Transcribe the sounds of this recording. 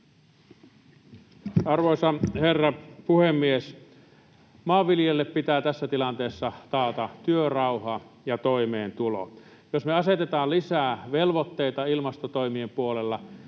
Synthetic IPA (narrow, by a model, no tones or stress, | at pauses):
ɑrʋoˑisɑherːɑpuhemːies | mɑːʋːiljelːeppit̪æːt̪æsːæt̪ilɑnt̪eːsːɑt̪ɑːt̪ɑt̪yørɑuhɑjɑt̪oimeːnt̪ulo̰ | josmeɑset̪et̪ɑːlisæːʋelʋot̪ːeit̪ɑilmɑst̪ot̪oimiempuolelːɑ